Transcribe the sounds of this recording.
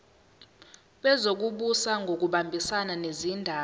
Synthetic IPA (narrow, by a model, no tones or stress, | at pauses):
ɓɛzok̬uɓusaŋɡʱok̬uɓambʱisananezindʱaː